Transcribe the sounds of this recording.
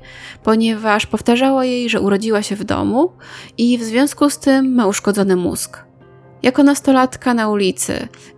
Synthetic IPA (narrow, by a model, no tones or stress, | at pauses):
pɔɲɛvaʂpɔft̪aʐawajejʐɛʔuɾɔd͡ʑiwaɕɛvd̪ɔ̰muivzvʲjɔ̃w̃skust̪ɘmːauʂkɔd̪zɔnɘmṵzk | jʔakɔnast̪ɔlat̪kanaulʲit̪sɘ̰